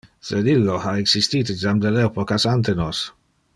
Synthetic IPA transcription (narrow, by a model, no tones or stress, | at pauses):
sed̪ilːoaeksist̪iːt̪ed͡ʒamd̪elɛpokasant̪enos